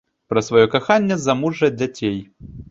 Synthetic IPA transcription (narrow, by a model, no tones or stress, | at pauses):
pɾɐsvajɔkaxanʲːɛzɐmuʐɐd͡zʲat͡sʲej